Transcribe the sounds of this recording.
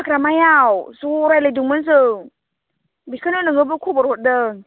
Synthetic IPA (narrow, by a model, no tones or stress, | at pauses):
əkɾamajawsuɾajləduŋməns̬ɯŋ | bikʰanɯnɯŋɯbəkʰubɔɾɔt̚dəŋ